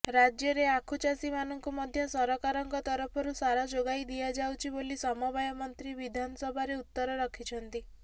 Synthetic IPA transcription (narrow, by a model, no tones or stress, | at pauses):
ɾad͡ʒjɔɾeakʰut͡ʃasimanɔŋkumɔd̪ʱjɔsɔɾɔkaɾɔŋkɔt̪ɔɾɔpʰɔɾusaɾad͡ʒoɡajd̪iad͡ʒawt͡ʃʰibolisɔmɔbajɔmɔnt̪ɾiβid̪ʱanɔsɔbʱaɾeut̪ːɔɾɔɾɔkʰit͡ʃʰɔnt̪i